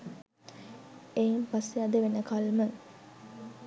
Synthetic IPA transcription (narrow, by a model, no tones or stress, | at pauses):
ejimpasːead̪əʋenəkalmə